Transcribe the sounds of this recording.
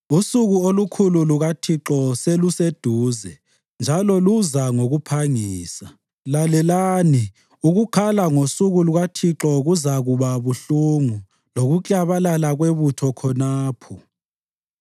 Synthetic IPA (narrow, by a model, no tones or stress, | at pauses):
usuɣuolukʰululuɣatʰiǁɔselused̥ʱuːzɛ | nd͡ʒʱalɔluzaŋoɣupʰaŋiːsa | lalɛlaːni | uɣukʰalaŋosuɣuluɣatʰiǁɔɣuzaɣuβaβuɬuŋu | loɣut͡ɬʼaβalalaɣweβutʰɔkʰɔnaːpʰɔ